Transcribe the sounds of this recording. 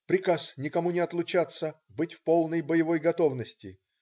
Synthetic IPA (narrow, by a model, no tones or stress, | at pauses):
pɾʲɪkasnʲɪkɐmunʲɪɐt̪lˠʊt͡ɕat̪sə | bɨtʲfpolˠnəjbəjɪvojɡɐt̪o̞vnəsʲtʲɪ